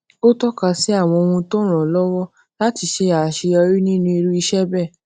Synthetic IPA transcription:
o˦tɔ˦ka˧si˨˦a˦˨w̃ɔ̃˧o˧wũ˧to˦ɾ̃ɔ̃˨lɔ˦wɔ˦ | la˦ti˧ʃe˧a˨ʃi˧ɔ˧ɾi˦nĩ˦nũ˦i˧ɾu˦i˧ʃɛ˦bɛ˦˨

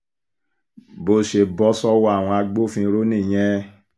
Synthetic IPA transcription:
bo˧˨ʃe˨bɔ˦sɔ˦wɔ˦a˦˨w̃ɔ̃˧a˧ɡ͡bo˦fĩ˧ɾo˦nĩ˦˨j̃ɛ̃˦

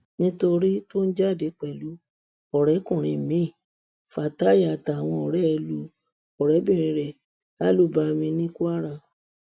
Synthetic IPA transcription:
nĩ˦to˧ɾi˦to˦n̩˦d͡ʒa˦˨de˨˦k͡pɛ˨lu˨˦ | ɔ˨ɾɛ˨˦kũ˦˨ɾ̃ĩ˨mĩ˨˦˨ | fa˨ta˦ja˨ta˨w̃ɔ̃˧ɔ˨ɾɛ˦˧lu˨˦ | ɔ˨ɾɛ˨˦bĩ˦˨ɾ̃ĩ˧ɾɛ˨ | la˦lu˦˨ba˧mĩ˧nĩ˦ku˦a˦ɾã˧˨

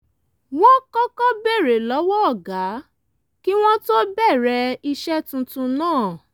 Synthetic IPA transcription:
w̃ɔ̃˦kɔ˦kɔ˦be˦˨ɾe˨lɔ˨˦wɔ˦ɔ˦˨ɡa˨˦ | ki˦w̃ɔ̃˦to˦bɛ˦˨ɾɛ˧i˧ʃɛ˦tũ˧tũ˧nãː˦˨

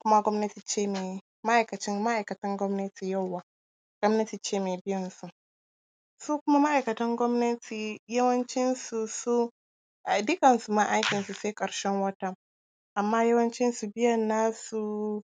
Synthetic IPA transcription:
kʷʊ˦ma˦ɡʷɔ˦mnɐ˦ti˨t͡ʃeː˦meː˨ | ma˦ʔa˨jkɐ˨t͡ʃɪ˦ŋma˦ʔa˨jkɐ˨tɐ˦ŋɡʷɔ˦mnɐ˦tʰiː˨ja˦˨wːaː˨ | ɡ̥ʷɔ˦mnɐ˦ti˨t͡ʃeː˦meː˨bɪ˦jɐ˨nsu˨ʔ | suː˦kʷʊ˦ma˦ma˦ʔa˨jkɐ˨tɐ˦ŋɡʷɔ˦mnɐ˦tʰiː˨jɐ˦wɐ˦nt͡ʃɪ˦nsu˨su˦ | ʔa˨dɪ˦kɐ˨nsu˨ma˨ʔa˦jkʲɪ˨nsu˨seː˦kʼɐ˨ɽʃɛ˦ŋwɐ˦tɐ˦ŋ | ʔa˨mːaː˦jɐ˦wɐ˦nt͡ʃɪ˦nsu˨bɪ˦jɐ˨nːaː˦su˨

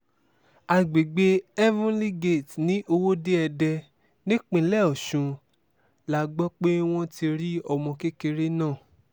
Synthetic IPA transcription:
a˨˧ɡ͡be˨ɡ͡be˦ɛ˦vũ˦li˦ɡe˦˨tnĩ˨˦ʔo˧wo˦de˦ɛ˧dɛ˧ | nĩ˦k͡pĩ˧˦lɛ˦˨ɔ˨ʃũ˨˧ | la˨˦ɡ͡bɔ˦k͡pe˦w̃ɔ̃˦ti˧ɾi˦ɔ˧mɔ̃˧ke˦ke˧ɾe˦nãː˦˨

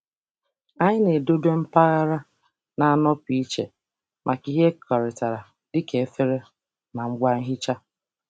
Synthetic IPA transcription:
a˦ɲɪ˦ne˨do˦de˦m̩˦pa˦ɣa˦ɾa˦ | na˨a˦˨nɔ˦pi˦i˦t͡ʃḛ˨ | mʔa˨ki˦ɦe˦kʰɔ˨ɾɪ˨ta˨ɾa˨ | dɪ˦ke˨e˦fe˦ɾe˦ | ma˨ŋ͡m̩˦ɡʷa˦ŋ̩˦ɦi˦t͡ʃa˦

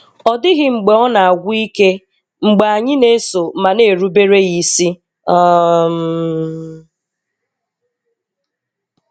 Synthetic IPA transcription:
ɔ˨dɪ˦ɣɪ˦ŋ͡m̩˨ɡ͡be˨ɔ˦na˨a˨ɡʷʊ˦i˦ke˦ | ŋ͡m̩˨ɡ͡be˨a˨ɲɪ˦ne˦so˨ma˨ne˨ɾu˦be˦ɾe˦ɣi˨si˦ | ɔ˦m̩˦

